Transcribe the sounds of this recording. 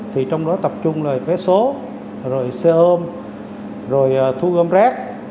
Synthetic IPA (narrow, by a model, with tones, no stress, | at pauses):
t̪ʰi˨˩t͡ɕɔ˧wŋ͡mɗɔ˨˦t̪ə˨˩p̚t͡ɕʊ˧ŋ͡mlaː˨˩kɛː˨˦so˨˦ | zo˨˩jsɛ˧ʔəː˧m | zo˨˩jʔːt̪ʰu˧ɣəː˧mzaː˦˥k̚